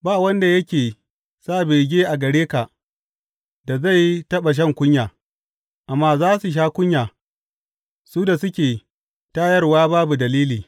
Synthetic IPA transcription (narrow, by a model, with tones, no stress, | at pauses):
baː˦˨wɐ˦nda˨jɐ˦kʲeː˨ | saː˦˨beː˨ɡʲeː˦ʔa˨ɡɐ˨ɽeː˦ka˨ | da˨za˦˨ji˦tɐ˦ɓa˨ʃ̬ɐ˦ŋkʷʊ˦ɲjaː˨ | ʔa˨mːaː˦zaː˦su˨ʃ̬aː˦kʷʊ˦ɲjaː˨ | suː˦da˨sʊ˦kʲeː˨ | ta˦jɐ˦rwaː˦baː˦bu˨dɐ˨liː˦liː˨